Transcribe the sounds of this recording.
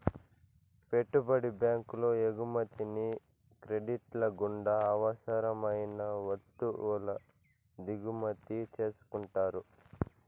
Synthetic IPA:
pe̞ʈːubɐɽibjaːŋkulo̞ːeɡumɐt̪ini | kɾe̞ɖiʈlɐɡuɳɖɐːʋɐsɐɾɐmɐjnɐʋɐt̪ːulɐ | d̪iɡumɐt̪it͡ʃe̞ːsu̥kuɳʈaːɾu

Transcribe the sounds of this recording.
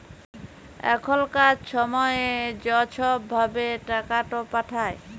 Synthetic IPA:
ɛ̰kʰolkad͡ʑʃɔmɔeed͡ʑɔt͡ɕʰɔbʱabeʈakaʈopaʈʰae

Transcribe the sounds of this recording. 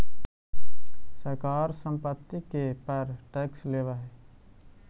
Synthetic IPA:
səɾkaːɾsə̃mpət̪ːikepəɾʈeːksleːʋaɦɛː

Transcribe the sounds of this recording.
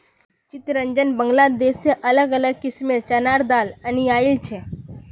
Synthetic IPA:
t͡ɕit̪ɾəɲd͡ʑənbəŋɡlad̪esjəʔələɡələɡkismiɾt͡ɕənaɾd̪alaniailt͡ɕʰe

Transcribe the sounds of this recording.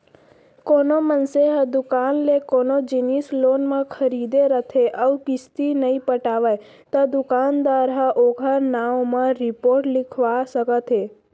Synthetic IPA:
konomənseɦəd̪ʊkanlekonod͡ʒinislonmãkʰəɾid̪eɾət̪ʰeʔəʋkɪst̪inəĩpəʈaʋaj | t̪ad̪ʊkand̪ʋaɾaʔoɡʰʱanaʋmãɾɪpoɾʈlɪkʰʋasəkət̪ʰe

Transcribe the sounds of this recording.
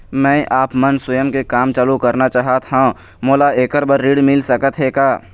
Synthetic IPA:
mɛ̃ːʔaːpmənswəjəmkekaːmt͡ʃaːlukɐɾnat͡ʃaːɦat̪ɦã | moːlaeːkəɾbəɾːiːɽmɪlsəkət̪ɦeːkaː

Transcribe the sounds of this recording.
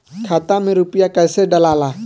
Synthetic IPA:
kʰat̪ameɾupiakasedalala

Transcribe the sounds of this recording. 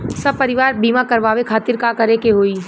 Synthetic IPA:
sɐb̚pɐɾɪʋaːɾbiːmakɐɾʋaːʋekʰaːt̪ɪɾkakɐɾekeɦoːi

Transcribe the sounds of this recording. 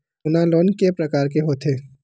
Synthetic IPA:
ʊnãloːnkepɾɐkaːɾk̬eɦoːt̪ʰeː

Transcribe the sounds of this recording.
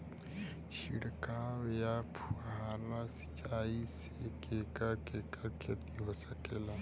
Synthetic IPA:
t͡ʃʰḭɽkawjapʰuɦaːlasi̥t͡ʃaːis | ekeːkakeːkakʰet̪iɦosəkeːla

